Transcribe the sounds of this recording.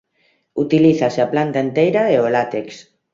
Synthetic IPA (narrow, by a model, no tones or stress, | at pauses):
ut̪iliθaseaplant̪aent̪ejɾaeolat̪eks